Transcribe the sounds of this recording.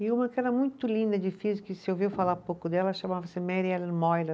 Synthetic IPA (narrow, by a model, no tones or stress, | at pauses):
ɪũmɐkɪɛɾɐmũj̃t̪ʊlĩnd̪ɐd͡ʒifizikɪsɪewviwfalapowkʊd̪ɛlɐʃamavɐsɪmɛɾiɛleɾmɔjle